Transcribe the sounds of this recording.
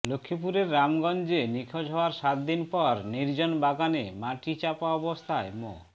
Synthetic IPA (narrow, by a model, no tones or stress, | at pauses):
lokʰːipuɾeɾːamɡɔnd͡ʑenikʰod͡ʒɦɔaɾʃat̪̚d̪inpɔɾniɾd͡ʑonbaɡanḛmaʈit͡ɕapaɔbost̪ʰaemo̰